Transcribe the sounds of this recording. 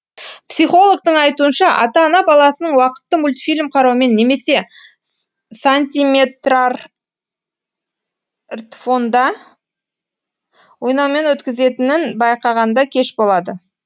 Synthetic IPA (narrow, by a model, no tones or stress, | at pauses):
psijχo̞lˠoɡ̚t̪əɴɑjt̪uənʃɑʔɑ̰t̪ɑːnɑbɑlˠɑsənəɴwɑqə̥t̪ːəmulʲt̪fʲilʲmqʰɑɾɑwme̞nːe̞me̞se̞ | sanʲt̪ʲime̞t̪rar | rt̪fo̞nd̪ɑ | wo̞jnɑwme̞nwɵt̪kʲɪze̞t̪ɪnɪnbɑjqɑʁɑnd̪ɑkʲʰe̞ʃbo̞lˠɑd̪ə